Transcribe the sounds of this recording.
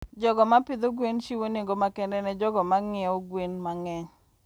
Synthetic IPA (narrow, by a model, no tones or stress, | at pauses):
d͡ʒɔɡɔmapɪd̪oɡwenʃiwoneŋɡomakɛndɛnɛd͡ʒɔɡɔmaŋɪoɡwenmaŋɛɲ